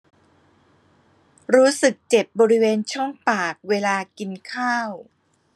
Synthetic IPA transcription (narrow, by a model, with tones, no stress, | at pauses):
ɾuː˦˥sɯ˨˩k̚t͡ɕe˨˩p̚bɔː˧ɾi˦˥weː˧nt͡ɕʰɔ˥˩ŋpaː˨˩k̚weː˧laː˧ki˧nkʰaː˥˩w